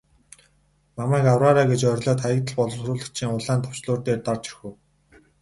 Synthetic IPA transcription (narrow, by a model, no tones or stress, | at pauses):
mamæːkawraːɾaːɡet͡ɕœɾʲɮɔːt̪ʰajə̆k̚t̪ə̆ɮpɔɮɞ̆wɾuːɮə̆kt͡ɕʰiːŋʊɮaːnt̪ʰɔ̥w̥t͡ɕɮʊːrt̪eːrt̪ɔrt͡ɕi̥xŭw